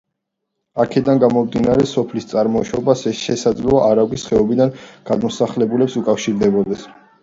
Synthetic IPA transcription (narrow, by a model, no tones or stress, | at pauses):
akʰɛd̪anɡamɔmd̪inaɾɛsɔpʰlist̪sʼaɾmɔʃɔbasɛsʃɛsad̪zlaʔaɾaɡisχɛɔbid̪anɡ̥ad̪mɔsaχlɛbulɛpsukʼafʃiɾd̪ɛbɔd̪ɛs